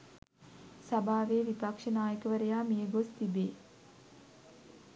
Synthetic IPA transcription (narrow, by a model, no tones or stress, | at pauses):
sabʱaːʋeːʋipakʂənaːjəkəʋəɾəjaːmijəɡost̪ibeː